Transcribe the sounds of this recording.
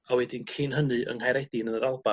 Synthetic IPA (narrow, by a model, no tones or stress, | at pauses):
awɛdɪnkʰinɦənɨʔə̰ŋhajɾejdɪnənəɾalˠba